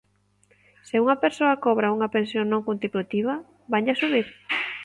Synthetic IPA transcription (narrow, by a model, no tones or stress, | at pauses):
seuŋɐpeɾsoɐkoβɾauŋɐpensjoŋnõŋkunt̪ipɾut̪iβ̞ɐ | baɲʎasuβiɾ